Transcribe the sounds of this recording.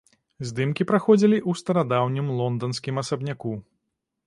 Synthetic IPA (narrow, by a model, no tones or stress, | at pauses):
zʲd̪ɨmkʲipɾaxɔd͡zʲilʲiʔust̪ɐɾad̪awnʲimlˠɔnd̪ɐnsʲkʲimɐsɐbnʲaku